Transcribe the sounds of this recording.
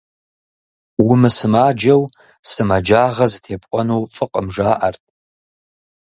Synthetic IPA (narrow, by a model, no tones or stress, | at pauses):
wʊmɨsɨmaːd͡ʒɐw | sɨmad͡ʒaːʁɐzɨtʰeːpʼʔʷʼɔnuːfʼɨqʼəmʒaːʔɐrtʰʼ